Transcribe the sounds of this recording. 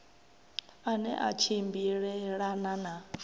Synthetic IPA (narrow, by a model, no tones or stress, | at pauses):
anɛ̰ʔa̰t͡ʃʰimbiɺɛɺanana